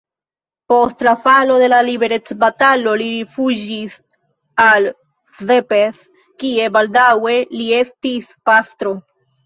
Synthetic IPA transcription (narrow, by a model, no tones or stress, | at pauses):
po̞stlafalo̞de̞lalibe̞ɾe̞t͡sbatalo̞liɾifud͡ʒis | al | zepeθ | kie̞baldawe̞lie̞stispastɾo̞